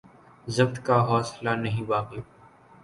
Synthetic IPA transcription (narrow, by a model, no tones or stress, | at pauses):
zɐbt̪kaɦɔːslanɐɦĩbaːqe